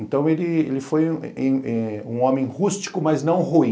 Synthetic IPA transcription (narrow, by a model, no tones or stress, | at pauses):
ẽnt̪ɐ̃w̃elɪḛlɪfojẽɛũõmẽhust͡ʃi̥kʊmɐznɐ̃w̃huĩ